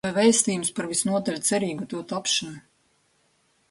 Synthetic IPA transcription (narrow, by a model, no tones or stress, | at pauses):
ajvɛjst̪iːjumspaɾvisnuɔt̪alʲt̪sɛɾiːɡut̪uɔt̪apʃan